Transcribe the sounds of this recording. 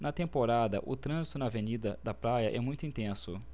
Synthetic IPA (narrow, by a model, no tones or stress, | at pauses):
nɐt̪ẽmpoɾad̪ɐ̰ʔʊt̪ɾɐ̃zit̪ʊnɐːvenid̪ɐd̪ɐpɾajɐʔɛmũj̃t̪ʊĩnt̪ẽsʊ̰